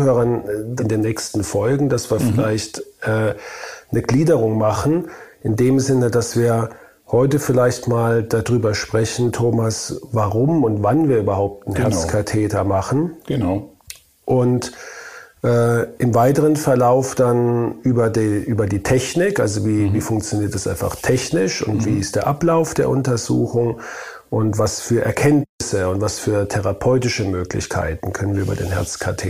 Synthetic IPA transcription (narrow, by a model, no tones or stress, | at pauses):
høːʁɐndɪndeːnɛːkstn̩fɔlɡŋ̩d̥asv̥iːɐfɪlaɪçtʔɛːnəɡliːdəʁʊŋmaχn̩ʔɪndeːmzɪnədasv̥iːɐ | hɔʏtəfɪlaɪçtmaːld̥adʁyːbɐʃpʁ̥ɛçn̩tʰoːmasvaʁʊmʊntv̥anviːɐyːbɐhaʊp̚tn̩hɛɐskʰatʰɛːtɐmaχn̩ɡ̥n | ʔʊnt | ʔɛːʔɪmvaɪtəʁənfɛɐlaʊfd̥anʔyːbɐdʔyːbɐdiːtʰɛçnɪkʔa̰lzoviːviːfʊŋkt͡sjoniːɐt̚d̥asʔa̰ɪnfa̰χtʰɛçnɪʃʊ̰ntv̥iːɪst̚d̥eːɐʔaplaʊfd̥eːɐʔʊntɐzṵːxʊŋ | ʔʊntv̥asfyːɐʔɛɐkʰɛntnɪsəʊntvasfyːɐtʰɛʁapʰɔʏtɪʃəmøːklɪ̰çkʰa̰ɪtn̩kʰœnənviːɐy̰ːbɐdḛːnɦɛ̰ɐt͡skʰatʰḛː